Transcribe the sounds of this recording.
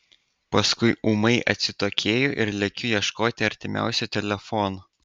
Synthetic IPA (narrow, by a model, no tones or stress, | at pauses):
pɐskʊɪʔuːmɐɪʔɐ̰t̪ʲsʲɪt̪oːkʲʰeːjoʔɪɾlʲɛkʲʊjiɛʃkoːt̪ʲɪɐɾʲt̪ʲɪmʲæ̰ˑʊsʲut̪ʲɛlʲɛfɔːno